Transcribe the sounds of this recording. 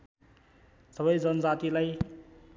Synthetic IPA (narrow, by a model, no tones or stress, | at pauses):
sʌβʌjd͡zʌnʌd͡zat̪ilaj